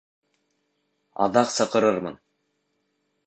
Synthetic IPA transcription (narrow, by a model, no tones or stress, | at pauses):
ɑ̰ðɑqsɤ̆qɤ̆ɾɤɾmɤ̰n